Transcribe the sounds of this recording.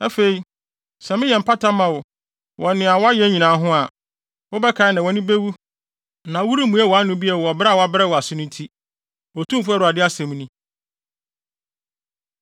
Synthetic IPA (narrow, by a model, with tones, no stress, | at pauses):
ɛ˦fe˨i˨ | sɛ˨mɪ̃˦jɛ˨m̩˨pʰa˦tʰã˦mã˨wʊ˨ | wʔɔ˨nɪ̃˨a˨wɔ˦a˦jɛ˦ɲĩ˨nã˨˦ɦʊ̃˦a˨ | wʊ˦bɛ˦kʰa˨ɪ˦nã˨wɔ˦nɪ̃˦be˦wu˦ | nã˨wu˦ɾi˦mũ˦ɛ˦wɔ˨a˦nʊ̃˦bi˦ɛ˨ɔ˨bɾa˦˨wɔ˦a˦bɾɛ˦wɔ˨a˨sɪ˦nʊ̃˦n˦tʰi˦ | wɔ˨tʰũ˦m˦fu˦ɛ˦ɾu˨a˨dɪ˦a˦sɛ̃˨m˦nʊ̃˦